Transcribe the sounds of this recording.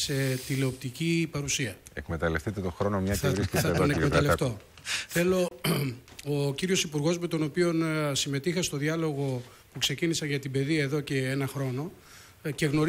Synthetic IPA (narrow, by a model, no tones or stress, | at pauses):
se̞t̪ileop̚t̪icipɐɾusiɐḛkme̞t̪ɐlefθit̪e̞t̪o̞xɾo̞nomɲɐɐvɾiskeɐt̪onekmet̪ɐleft̪o | θe̞lo̞ | ociɾio̞sipuɾɣo̞zme̞t̪o̞no̞pio̞nsime̞t̪ixɐst̪o̞ðiɐlo̞ɣo̞ | pukse̞cinisɐnʝɐt̪ibe̞ðiɐe̞ðo̞ce̞enɐxɾo̞no̞ | ce̞ɣno̞ɾ